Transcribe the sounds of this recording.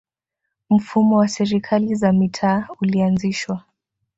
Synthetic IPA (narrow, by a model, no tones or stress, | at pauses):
m̩fumɔwasɛɾikʰalizamitʰaːulianziʃwa